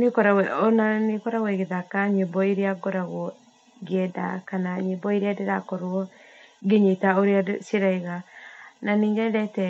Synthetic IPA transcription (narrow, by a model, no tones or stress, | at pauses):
nekɔɾawɛɔnanekɔɾawɛɣeðakaɲebɔiɾeaɡɔɾaɣɔ | ɡeɛda̰kanaɲebɔiɾeadeɾakɔɾwɔɡeɲetaoɾeasiɾaiɣananiːŋɡɛdɛtɛ